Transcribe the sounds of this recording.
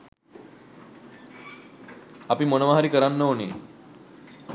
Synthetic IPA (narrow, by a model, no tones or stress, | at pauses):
apiːmənəʋaɦaɾikəɾanːəɦonḛ